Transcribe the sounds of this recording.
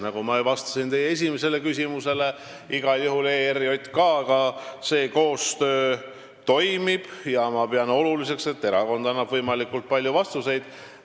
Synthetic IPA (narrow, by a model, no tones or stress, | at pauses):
nɑɡ̥umɑevɑst̪ɑ̥sint̪e̞jee̞s̬ʲimese̞le̞kys̬ʲimuse̞le̞ | iɡ̥ɑljuɦuleːeɾio̞t̪ʲːˑkɑkɑse̞ːko̞ːst̪ø̞ː | t̪o̞jmib̥jɑmɑpeɑno̞lulise̞kse̞t̪ːe̞ɾɑko̞nd̪ɑnːɑb̥vɤjmɑlikːult̪̚pɑlʲjuvɑst̪use̞jd̪̥